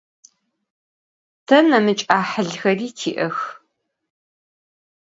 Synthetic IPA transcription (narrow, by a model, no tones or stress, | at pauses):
tʰɐnɐmɨt͡ʃʼaːħəɮxɐriːtʰḭːʔɐx